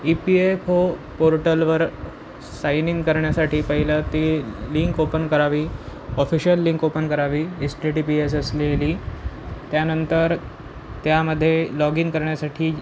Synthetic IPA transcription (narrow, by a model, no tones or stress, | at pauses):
ipiefo | poɾʈəlʋəɾ | sajniŋɡkəɾɳjasaʈiːpəɦilət̪iliŋkopənkəɾaʋiːɔfiɕjəlːĩŋkopənkəɾaʋiːesʈeʈipiesəsleliːt̪janənt̪əɾ | t̪jaməd̪ʱːjelɔɡiŋkəɾɳjasaʈʰiː